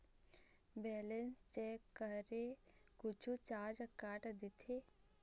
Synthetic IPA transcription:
bɛːlenst͡ʃɛːkːəɾekʊt͡ʃʰut͡ʃaːɾd͡ʒəkːaːʈd̪it̪ʰe

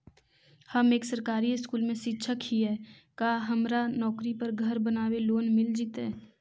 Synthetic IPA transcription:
hɐmeːksəɾkaːɾiɪskuːlmẽʃɪtːʃʰəkhiɦɛːkaːɦɐmɾanɔːkɾipəɾɡʱɐɾbənaːweloːnmɪld͡ʒit̪ɦɛː

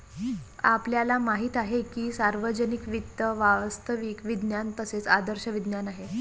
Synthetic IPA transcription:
a̰pljalamaɦiːt̪aɦekiːsaɾʋəd͡ʑənikʋit̪ːəʋaʋəst̪ʰəʋiːkʋid̪njant̪əset͡sad̪əɾɕəʋid̪njanaɦe

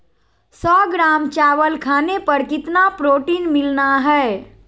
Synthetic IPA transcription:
sɔɡɾamt͡ʃaʋəlkʰanepəɾkit̪napɾoʈinmilnaɦɛe

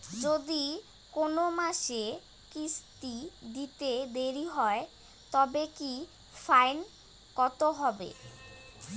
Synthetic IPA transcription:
d͡ʑod̪i | konomaʃe | kist̪id̪it̪ed̪eɾiɦɔe | t̪ɔbeki | fajn | kɔt̪oɦɔbḛ

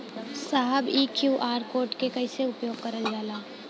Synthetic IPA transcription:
saːɦəbiːkjuːʔaːɾkoːɾʈkekɐiseʊpjoːɡ̚kɐɾəld͡ʒaːlaː

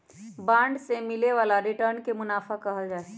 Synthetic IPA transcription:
bãːɳɖsemɪleʋaːlaɾɪʈəɾnkemʊnaːfʰakəɦəld͡ʒaːe

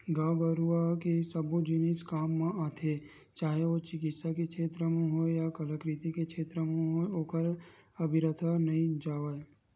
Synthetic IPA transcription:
ɡaːbəɾuakesəbod͡ʒɪniskaːmːẽʔaːt̪ʰe | t͡ʃaːɦeot͡ʃɪkɪt̪sakekʰeːt̪ɾəmẽɦoːejakələkɾit̪ikekʰeːt̪ɾəmẽɦoːeoːkəɾɐbʱɪɾət̪ʰanɐɦĩd͡ʒaːʋəe

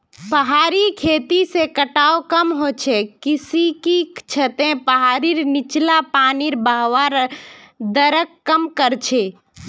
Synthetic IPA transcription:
pəɦaːɾikʰeːt̪isekəʈaːokəmɦoːt͡ʃʰekɪsikit͡ʃʰət̪ẽpəɦaːɾiɾnɪt͡ʃlapaːniɾbaɦwaɾ | d̪əɾəkːəmkəɾt͡ʃʰeː

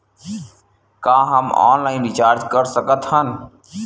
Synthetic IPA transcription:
kaːɦəmɔ̰ːnlaːɪnɾɪt͡ʃaːɾd͡ʒkəɾsəkət̪hən

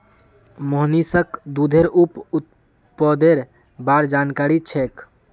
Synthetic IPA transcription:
moɦnisəkd̪ud̪ʱeɾuput̪̚ | pəd̪eɾ | baɾd͡ʒankaɾit͡ʃʰek

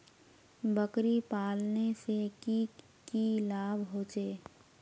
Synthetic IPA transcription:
bəkɾipaːlneseki | kilaːbɦoːt͡ʃeː

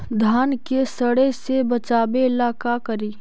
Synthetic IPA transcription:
d̪ʱaːnkesəɽesebɐt͡ʃaːbeɪlaːkakɐɾiː

